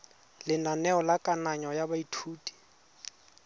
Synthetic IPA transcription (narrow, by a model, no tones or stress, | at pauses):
lɪnanɛɔlakʼanaɲɔjabaitʰuːtʼi̥